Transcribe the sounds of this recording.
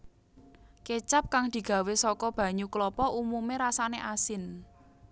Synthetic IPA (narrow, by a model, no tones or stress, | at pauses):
ket͡ʃap̚kaŋd̪̥i̤ɡ̥a̤wesɔkɔb̥ä̤ɲuklɔpɔʔumumeɾasaneʔasɪn